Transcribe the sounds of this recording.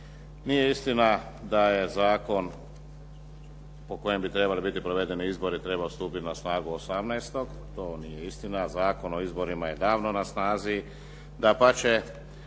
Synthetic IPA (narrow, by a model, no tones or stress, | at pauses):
nije̞ist̪ina | d̪aje̞zaːko̞n | po̞ko̞je̞mbit̪ɾe̞balibit̪ipɾo̞ʋe̞d̪e̞niizbo̞ɾit̪ɾe̞baost̪uːpit̪inasnaːɡuosamnajst̪o̞ɡ | t̪o̞ːnijeist̪inazaːko̞no̞izbo̞ɾimaje̞d̪aːʋno̞nasnaːzi | d̪apat͡ʃe